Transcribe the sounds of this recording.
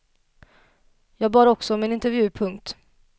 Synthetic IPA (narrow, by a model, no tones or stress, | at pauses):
jɑːɡbɑːɾɔksɔɔmɛnɪnt̪ɛɾvjʉ̟ːpʰɵŋk̚t̪